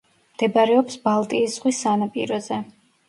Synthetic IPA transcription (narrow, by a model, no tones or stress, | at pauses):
md̪̥ɛbaɾɛɔpsbalˠt̪ʼiːsz̥ʁwisanapʼḭɾɔzɛ